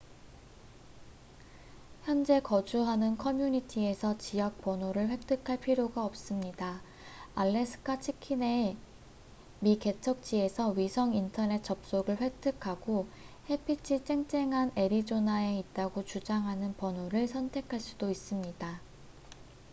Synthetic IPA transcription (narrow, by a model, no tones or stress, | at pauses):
çjʌnd͡ʑe̞kʌd͡ʑuɦanɯnkʰʌmjuɲitʰie̞sʰʌt͡ɕijak̚p͈ʌnoɾɯɭɸwe̞k̚tʰɯkʰaɭpʰiɾjoɡaʌp̚s͈ɯmɲida | aɭːe̞sʰɯ̥kʰat͡ɕʰikʰine̞ | mike̞t͡ɕʰʌk̚t͡ɕ͈ie̞sʰʌɥisʰʌŋintʰʌne̞t̚t͡ɕ͈ʌp̚s͈oɡɯɭɸwe̞k̚tʰɯkʰaɡohe̞pʰit͡ɕʰit͡ɕ͈e̞ŋt͡ɕ͈e̞ŋɦane̞ɾid͡ʑonae̞it̚t͈aɡot͡ɕud͡ʑaŋɦanɯnpʌnoɾɯɭsʰʌntʰe̞kʰaɭs͈ud̥ois͈ɯmɲida